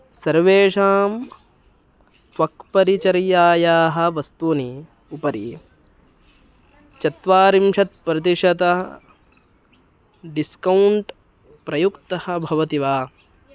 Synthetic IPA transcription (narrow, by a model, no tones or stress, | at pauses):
sɐɾʋeːʂaːm | tʋɐkpɐɾit͡ʃɐɾijaːjaːɦɐ̆ʋɐst̪uni | upɐɾi | t͡ʃɐt̪ʋaːɾimʃɐt̪̚pɾɐt̪̬iʂɐt̪ɐ | ɖiskɐwɳʈ | pɾɐjukt̪ɐhɐ̆bʱɐʋɐt̪iʋaː